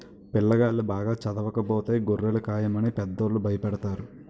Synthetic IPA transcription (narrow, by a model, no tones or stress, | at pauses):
pɪlːɐɡaːlːubaːɡaːt͡ʃɐd̪ɐʋɐkɐbɔːt̪eɡorːelɐkaːjɐmɐniːpɛd̪ːoːɾlubʱɐjɐpɐɽɐt̪aːɾu